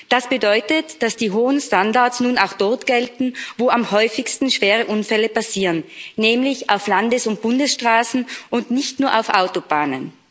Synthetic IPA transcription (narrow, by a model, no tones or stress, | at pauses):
d̥asb̥ədɔʏtətd̥asd̥iːɦoːənstandaɐtsnuːna̰ʊxd̥ɔɐtɡ̥ɛltn̩voːamhɔʏfɪçstn̩ʃv̥eːʁ̞əʔʊnfɛləpasiːʁənːɛːmlɪça̰ʊflandəsʊnt̚b̥ʊndəsʃtʁ̥aːsn̩ʔʊndnɪçtnuːɐʔaʊfʔa̰ʊtobaːnə̰n